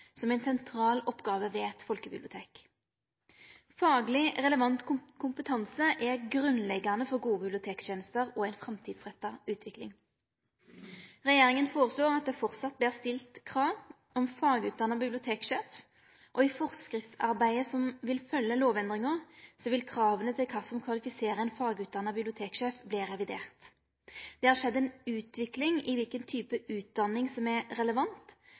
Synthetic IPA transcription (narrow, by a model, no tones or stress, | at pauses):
sɔmæɪnsɛnt̪ʰʁɑːlɔpːɡɑːʋəʋɛɛt̪fɔlkəbɪblɪʊt̪eːk | fɑːɡlɪʁɛləʋɑnt̪kʰʊkʰʊmpət̪ʰɑnsəʔɛʁɡʁʉnlɛɡːɑnəfɔʁɡuːəbɪblɪʊt̪ʰeːksjeːnəst̪əʁɔæɪnfʁɑmt̪ʰiːd̪sʁɛt̪ːɑʉːt̪ʰʋɪklɪ̰ŋ | ʁɛjeːɾɪŋənfoːʁəsloːʁɑt̪̚d̪ɛːfɔʁt̪sɑt̪̚blæːʁst̪ɪlt̪kʰʁɑːʋ | ɔmfɑːɡʉːt̪̚d̪ɑnːɑbɪblɪʊt̪ʰeːkʃeːf | ʔɔɪfɔʁskʁɪft̪sɑ̰ʁbæɪəsɔmʋɪlfœlːəloːʋɛnd̪ʁɪŋəʁsɔʋɪlkʰʁɑːʋənət̪ʰɪlkʰɑːsɔmkʰʋɑlɪfɪseːʁəɛnfɑːɡʉːt̪̚d̪ɑnːɑbɪblɪʊt̪ʰeːkʃeːfbliːʁɛʋɪd̪ḛːʁt̪ | d̪̥ɛːhɑːʁʂɛd̪ːɛnʉːt̪ʋɪklɪŋɪʋɪlkənt̪ʰyːpəʉːt̪̚d̪ɑnːɪŋsɔmɛʁɛləʋɑnt̪